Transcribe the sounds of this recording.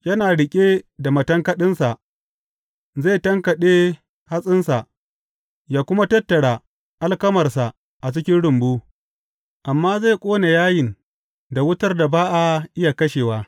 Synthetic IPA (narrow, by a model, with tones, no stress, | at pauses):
jɐ˦naː˨ɽɪ˨kʲʼeː˦da˨mɐ˨tɐ˦ŋkɐ˦ɗɪ˦nsa˨ʔ | zaː˦˨tɐ˦ŋkɐ˨ɗe˦ | ha˦sʼɪ˦nsa˨ʔ | jaː˦kʷʊ˦ma˦tɐ˦tːɐ˨ɽaː˨ | ʔa˦lkɐ˦mɐ˨rsa˨ | ʔa˨t͡ʃɪ˦kʲɪ˦nɽʊ˨mbuː˦ | ʔa˨mːaː˦za˦˨kʷʼoː˦na˨jaː˦jɪ˨n | da˨wʊ˦tɐ˦rda˨baː˦ʔa˨ʔɪ˦ja˨kɐ˦ʃeː˨waː˦